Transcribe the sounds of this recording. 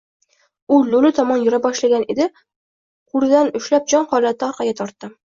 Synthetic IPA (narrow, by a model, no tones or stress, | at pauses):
ʊlolɪt̪ʰɒmɒnjʊɾabɒʃlaɡʲaned̪ɪ | qʰʊɾɪd̪anʊʃlap̚d͡ʒɒnhɒlat̪ːɪɒɾqʰɑɡʲat̪ʰɒɾt̪ːɪ